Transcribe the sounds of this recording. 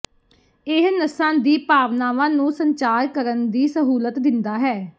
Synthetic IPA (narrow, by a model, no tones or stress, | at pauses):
ɪɦnəsãːd̪iːpaːʋnaːʋãːnũːsəɲt͡ʃaːɾkəɾənd̪iːsəɦuːlət̪d̪ɪnd̪aːɦɛː